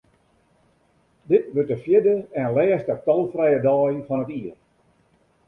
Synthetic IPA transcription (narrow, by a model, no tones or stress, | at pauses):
dɪtʋørtəfjɪdəɛnlɛːstətɔlˠfrɛjədɔːjfɔnətiər